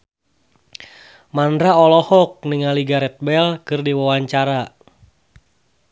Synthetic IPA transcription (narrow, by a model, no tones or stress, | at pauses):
mandɾaɔlɔhɔk̚niŋaliɡaɾɛt̪̚bɛlkɨrdiwawaɲt͡ʃaɾa